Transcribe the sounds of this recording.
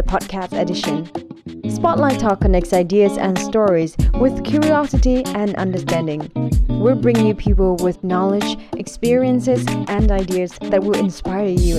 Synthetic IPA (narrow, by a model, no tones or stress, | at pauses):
əpʰɑd̚kʰæstɨdɪʃɨ̃nspɑʔˡlaɪtʰɔkənɛksaɪdiɨzɨ̰̃nstɔɹizwɪð̥kʰj̥ʊɹiɑsɨɾiɨ̃nʔʌ̰̃ndə˞stæ̃ndɪ̃ŋwiɹbɹɪ̃ŋnjʉpʰipl̩ˠwɪðnɑlˠɪd͡ʒʔɨkspɪɹiɨ̃nsɪzʔɨ̃naɪdiɨzðɨt̚wɪlˠɨ̃nspaɪə˞jʉ